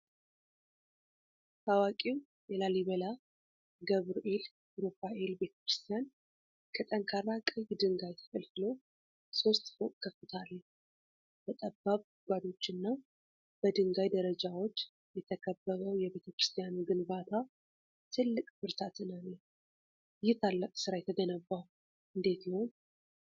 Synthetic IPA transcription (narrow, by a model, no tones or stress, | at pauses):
t̪ʰawakʼiw | jɛlaliβəla | ɡəβɾoʔel | ɾofaʔelbe̞t̪ʰə̥kɾɨst̪ʰijan | kʰət̪ʼəŋkʰaɾakʼɨjd̪ɨŋɡajt̪ʰə̥fəlfɨlo̞ | so̞st̪fokʼkʰːəfːɨt̪ʰalː | bət̪ʼəbːaβ | ɡʷad̪o̞t͡ʃːɪnːaw | b̥əd̪ɨŋɡajd̪əɾəd͡ʒawo̞t͡ʃː | jɛt̪ʰəkʰəbːəβəwjɛβe̞t̪ʰəkɾɨst̪ʰʼijanuɡɨnbat̪ʰa | t̪ʰɨlːɨkʼbɨɾt̪ʰat̪ɨnəne | jɪht̪ʰalːəkʼsɨɾajɛt̪ʰəɡənəbːa | ʔɨnd̪e̞t̪ləho̞n